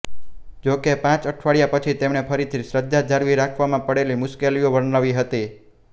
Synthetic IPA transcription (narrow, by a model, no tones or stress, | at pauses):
d͡ʒokepãt͡ʃəʈʰʋaɭijapət͡ʃʰit̪emɳepʰəɾit̪ʰisɾəd̪ʱːad͡ʒʱaɾʋiɾakʰʋamãpəɽelimʊʃkelijoʋəɾnaʋiɦət̪i